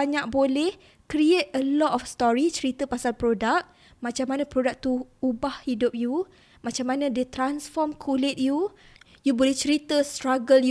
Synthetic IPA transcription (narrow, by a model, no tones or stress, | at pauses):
aɲak̚bolɛh | kɾiet̚əlɔtɔfst̪ɔɾit͡ʃəɾit̪əpasalpɾodak̚ | mãt͡ʃamanãpɾodak̚t̪uubahhidʊp̚ju | mãt͡ʃamanãdet̪ɾansfɔmkʰulɪt̪̚ju | jubolɛht͡ʃəɾit̪əst̪ɾaɡəlj